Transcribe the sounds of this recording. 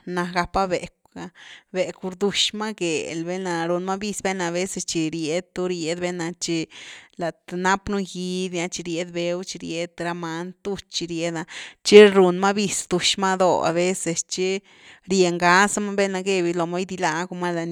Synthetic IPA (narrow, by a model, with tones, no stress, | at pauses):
na˧ɡa˧pa˦be˨k | a˧be˨ku˧ɾd̪u˧ʃma˦ɡe˨lbe˦na˧ɾu˧nma˦bi˧sbe˦na˧βe˦se˧st͡ʃi˧ɾje˧d̪̚t̪u˦ɾje˧˦d̪be˦na˧t͡ʃi˧la˨t̪na˦pnu˦ji˧˦d̪na˧t͡ʃi˧ɾje˧d̪be˧˦wt͡ʃi˧ɾje˧d̪ɾa˧ma˧nt̪u˦t͡ʃt͡ʃi˧ɾje˧d̪a˧t͡ʃi˦ɾu˧nma˦bi˧sd̪u˧ʃma˦d̪o̰˧˨a̰˨βe˦se˨st͡ʃi˦ | ɾje˨ŋɡa˦sa˦ma˦be˦na˧ɡe˧bi˧lo˨ma˦jd̪i˧la˧ɡu˧ma˦la˧n